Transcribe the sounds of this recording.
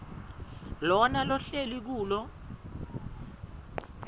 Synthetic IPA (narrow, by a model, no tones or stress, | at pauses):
lɔnalɔɬelik̬uːlɔ